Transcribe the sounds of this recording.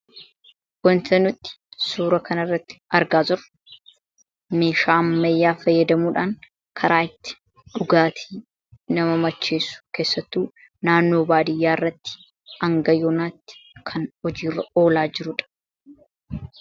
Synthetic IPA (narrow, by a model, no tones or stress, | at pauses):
wɔnt̪ɐnʊt̪ːɪ̥suːɾɐkʰɐnɐrːɐt̪ːɪ̥ɐɾɡaːzʊɾ | meːʃaːmːɐjːaːfɐjːɐd̪ɐmuːᶑaːŋ | kʰɐɾaːɪt̪ːɪ̥ | ᶑʊɡaːt̪ʰiː | nɐmɐmɐt͡ʃːeːsːʊ̥ke̞ːsːɐt̪ːuː | naːnːo̞ːbaːd̪ɪjːaːɪrːɐt̪ːɪ̥ | ɐŋɡɐjɔnaːt̪ːɪ̥kʰɐnɔd͡ʒiːrːɐo̞ːlaːd͡ʒɪɾʊᶑɐ̥